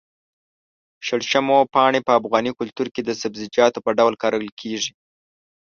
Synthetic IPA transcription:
ʃəɽʃəmopɑɳepəafɣɑnikʊlt̪uɾked̪əsabzɪd͡ʒɑt̪opəɖawlkɑɾəwlkʰeʐi

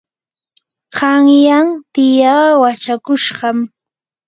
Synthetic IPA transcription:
qɑŋjaŋt̪ɪjaːwat͡ʃakʊʃɢɑm

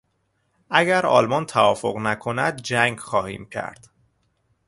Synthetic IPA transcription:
ʔæɡæɾɒ̰ːlmɒnt̪ʰævɒːfo̞ɣnækʰo̞næd̪d͡ʒæŋɡxɒːhḭːmcʰæ̰ɾd̪̥

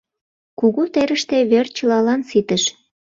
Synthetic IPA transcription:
kuɣut̪eɾəʃt̪eβert͡ɕəlɑlɑnsit̪əʃ

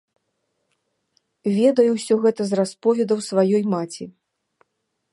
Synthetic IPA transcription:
vʲɛd̪ɐjuwsʲɔɣɛt̪ɐzraspɔvʲɛd̪ɐwsvajɔjmat͡sʲi

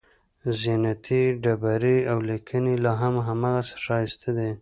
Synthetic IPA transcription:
zinat̪ʰiɖabaɾiawlikʰənelɑɦamɦamɑɣasə̥ʃɑjst̪ad̪e

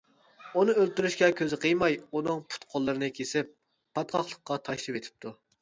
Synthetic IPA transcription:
unɨølt̪yɾyʃkʲɛkʲʰøzɪqʰəjmɑjunɨŋpʰu̥t̪qʰolˠːɨɾɨnɨkʲʰesɪpː | ɑt̪̚qʰɑχlˠəq̚qːɑt̪ʰɑʃlˠɨpet̪ʰɪ̥p̚t̪ʰu

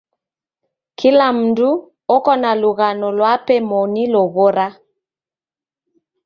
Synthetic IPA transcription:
kʰilam̩ndu | ɔkɔnaluɣanɔlwapɛmɔnilɔɣoɾa

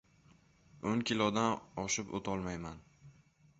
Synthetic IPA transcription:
oŋkʲɪlɒd̪anɒʃɪpo̰t̪ʰɒlˠmajman

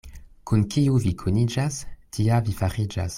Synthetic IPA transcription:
kunkiuvikʰunid͡ʒastʰiavifaʁid͡ʒa̰s

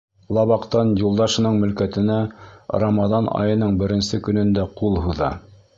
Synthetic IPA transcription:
lˠɑβɑqt̪ɑnjulˠd̪ɑʃɤ̆nɤɴmɵ̆lkæt̪ɘ̆nærɑmɑðɑnɑ̰jɤ̆nɤɴbɘ̆ɾɘ̆nsɘkɵ̆nɵ̆nd̪æqulˠhuðɑ̰

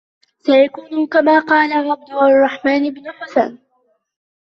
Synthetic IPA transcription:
sajakuːnʊkamaːqɑːlaʕˤːɑbd̪ʊʔɑrˤːɑħmaːnɪbnʊħʊsaːn

